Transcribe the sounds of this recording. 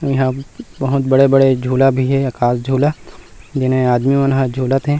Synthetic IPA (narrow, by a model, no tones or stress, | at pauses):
jɐɦãbɐɦʊt̪bɐɽebɐɽed͡ʒʱuːlabʱiɦɛɐkaːsd͡ʒʱuːla | d͡ʒɪnɦẽaːd̪miʋənɦad͡ʒʱuːlət̪ɦɛ̃ː